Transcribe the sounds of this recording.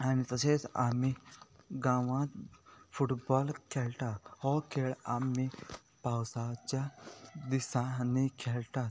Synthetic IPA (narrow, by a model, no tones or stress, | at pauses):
anit̪əset͡sa̰miɡãʋãt̪fuʈbɔlkʰelʈ̪ahɔkʰeɭami | pawsat͡ɕad̪isãnikʰelʈ̪a